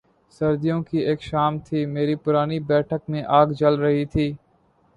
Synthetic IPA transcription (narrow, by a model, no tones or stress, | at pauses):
səɾd̪ijõːkiːeːkʃaːmt̪ʰiːmeːɾiːpʊɾaːniːbɛːʈʰək̚mẽːʔaːɡd͡ʒəlɾəɦiːt̪ʰiː